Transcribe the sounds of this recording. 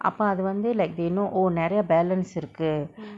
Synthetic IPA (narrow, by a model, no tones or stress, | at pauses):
ʔɐ̰pːoːɐðɯʋɐnd̪ɯlɐɪk̚d̪enõʔɔɾnɛɾɐjɐbɛːlɐnsɪɾɯkːɯ